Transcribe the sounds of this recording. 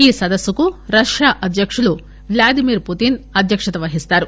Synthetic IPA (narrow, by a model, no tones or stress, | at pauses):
iːsɐd̪ɐsːukuɾɐʃjaːʔɐd̪ʱjɐkʂulu | ʋlaːd̪imiːɾput̪inɐd̪ʱjɐkʂɐt̪ɐʋɐɦist̪aːɾu